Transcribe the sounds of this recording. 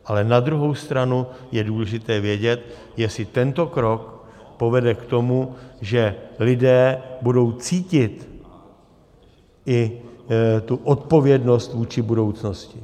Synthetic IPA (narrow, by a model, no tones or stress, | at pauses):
ʔalɛnad̪ɾuɦo̞wst̪ɾanujɛduːlɛʒɪt̪ɛːvjɛɟɛt̪ | jɛsɪt̪ɛnt̪o̞kɾo̞k | po̞vɛdɛkt̪o̞muʒɛlɪdɛːbudo̞wt͡siːcɪt̪ | ʔɪ | t̪uʔot̪̚po̞vjɛdno̞st̪vuːt͡ʃɪbudo̞wt͡sno̞scɪ